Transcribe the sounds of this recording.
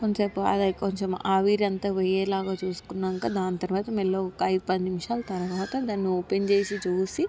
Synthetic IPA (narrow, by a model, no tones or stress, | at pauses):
koɲt͡ʃɐpuɐ̰d̪ɐkoɲt͡ʃɐmaːʋiːɾɐnt̪aːʋɛjɛːlaːɡaːt͡ʃuːsu̥kunːaŋkaːd̪aːnit̪ɐɾʋaːt̪ɐmɛlːoːɔkːɐɐjd̪upɐnnimʂaːlɐt̪ɐɾʋaːt̪ɐd̪aːnːioːpent͡ʃeːsit͡ʃuːsi